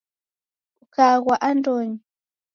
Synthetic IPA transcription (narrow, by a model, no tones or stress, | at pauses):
ukaɣwaʔandoɲi